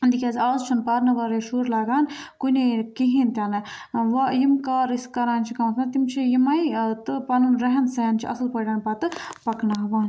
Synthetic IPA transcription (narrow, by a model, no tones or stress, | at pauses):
nd̪ikʲaːzʲaːzt͡ʃʰunpaːɾnɐʋɐɾeːʃuːɾlaːɡaːnkunekiɦint̪ʲaːnɐʋɐjimkaːɾiskɐɾaːnt͡ʃʰikɐmt̪ʰnɐt̪imt͡ʃʰijimɐjt̪ɨpɐnunɾɐɦɐnseːnt͡ʃʰiɐ̰sɨlpɐɖɐːnpɐt̪ɨpɐknaːɦʋaːn